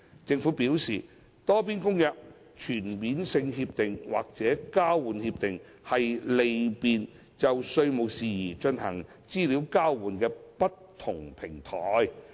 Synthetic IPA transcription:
t͡sɪ˧ŋfuː˨˥piː˨˥wsiː˨˩ | t̪ɔː˥p̬iː˥nkʊ˥ŋjɐ˨p̚ | t͡ʃʰyː˨˩nmiː˨˥nsɪ˧ŋhiː˧p̚t̪ɪ˨ŋwa̰ː˨k̚t͡sɛː˨˥kaː˥wwuː˨˥nhiː˧p̚t̪ɪ˨ŋ | hɐ˨jle˨jpiː˨n | t͡sɐ˨wsɵ˧ɥmo˨wsiː˨jiː˨˩t͡ʃɵ˧nhɐ˨˩ŋ | t͡siː˥liː˨˥wkaː˥wwuː˨˩nkɛː˧pɐ˥tt̪ʰːʊ˨˩ŋpʰɪ˨˩ŋt̪ʰɔː˨˥j

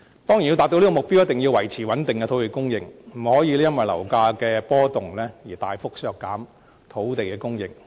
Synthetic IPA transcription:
t̪ɔː˥ŋji˨˩ji˧t̪aː˨k̚to˧˥wli˥kɔ˧mʊ˨k̚pi˥wjɐ˥t̪ɪ˨˩ŋji˧wɐ˨˩jt͡sʰiː˨˩wɐ˨˥nt̪ɪ˨˩ŋkɛ˧t̪ʰwt̪e˨˩jkʊ˥ŋjɪ˨ŋm̩˨˩hɔː˨˥jiː˨˧lɛː˥jɐ˥nwɐ˨jlɐ˨˩wkaː˧kɛː˧pɔː˥t̪ʊ˨ŋlɛː˥jiː˨˩t̪aː˨jfʊ˥k̚sœː˨kːaː˨˥m | t̪ʰo˨˥wt̪e˨jkɛː˧kʊ˥ŋjɪ˨ŋ̚

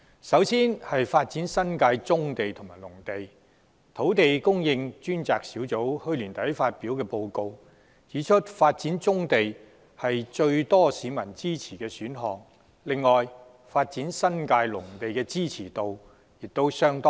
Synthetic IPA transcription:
sɐ˨˥wsiː˥nhɐ˨jfaː˧t̚t͡siː˨˥nsɐ˥nkaː˧jt͡sʊ˥ŋt̪e˨jt̪ʰʊ˨˩maː˨˩jlʊ˨˩ŋt̪e˨j | t̪ʰo˨˥wt̪e˨jkʊ˥ŋjɪ˧ŋt͡ʃyː˥nt͡saː˨k̚siː˨˥wt͡so˨˥whɵ˥ɥlyː˨˩nt̪ɐ˨˥jfaː˧t̚piː˨˥wkɛː˧po˧wko˧w | t͡siː˨˥t͡ʃʰɵ˥t̚faː˧t̚t͡siː˨˥nt͡sʊ˥ŋt̪e˨j | hɐ˨jt͡ʃɵ˧ɥt̪ɔː˥siː˨˥mɐ˨˩nt͡siː˥t͡sʰiː˨˩kɛː˧syː˨˥nɦɔː˨ŋ | lɪ˨ŋːɔː˨j | faː˧t̚t͡siː˨˥nsɐ˥nkaː˧jlʊ˨˩ŋt̪e˨jkɛː˧t͡siː˥t͡sʰiː˨˩t̪o˨w | jɪ˨k̚t̪o˥wsœː˥ŋt̪ɔː˥

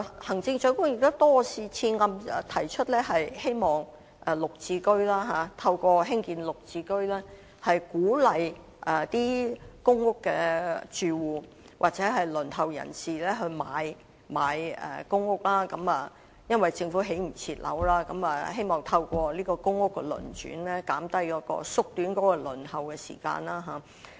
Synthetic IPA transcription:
hɐ˨˩ŋt͡sɪ˧ŋt͡ʃɵ˨˥ɥkʊ˥ŋjɪ˨k̚t̪ʊ˥t̪ɔː˥siː˧t͡sʰiː˧nŋɐ˧m˨t̪ʰɐ˨˩jt͡ʃʰɵ˥t̚lɛː˥hɐ˨jhe˥jmɔː˨˩ŋ | ʔɛ˨˩lʊ˨k̚t͡siː˧kɵ˥ɥlaː˥ɦaː˨˧t̪ʰɐ˧wkʷɔː˧ɦɪ˥ŋkiː˧nlʊ˨k̚t͡siː˧kɵ˥ɥlɛː˥ | hɐ˨jkuː˨˥lɐ˨j | ʔɐ˨t̪iː˥kʊ˥ŋːʊ˥kːɛː˧t͡ʃyː˧wuː˨ | wʔa̰ː˨k̚t͡sɛː˨˥ɦɐ˨jlɵ˨˩nhɐ˨˩wjɐ̰˨˩nsiː˨lɛː˥ɦɵ˧ɥmaː˨˧j | maː˨˧jɛ̰˨kʊ˥ŋʊ˥k̚laː˥kɐ˨˥mɐ˨ | jɐ˥nwɐ˨jt͡sɪ˧ŋfu˨˥ɦe˨˥jm̩˨˩t͡sʰiː˧t̚lɐ̰˨˥wlaː˥kɐ˨˧˥mɐ˨he˥jmɔː˨˩ŋt̪ʰɐ˧wkɔː˧liː˥kɔː˧kʊ˥ŋʊ˥kːɛ˧lɵ̰˨˩nt͡ʃy̰ː˨˥nlɛː˥kaː˨˥mt̪ɐ˥jkɔː˨˥kɔ̰ː˧sʊ˥k̚t̪yː˨˥nkɔː˨˥kɔ˧lɵ˨˩nhɐ˨wkɛ˧sḭː˨˩ka̰ː˧naː˥ɦaː˨˥

